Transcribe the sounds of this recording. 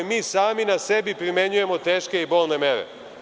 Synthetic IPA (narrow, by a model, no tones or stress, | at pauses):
miːsaːminase̞bipɾime̞ɲuje̞mo̞t̪e̞ːʃkeibo̞ːlˠne̞me̞ɾḛ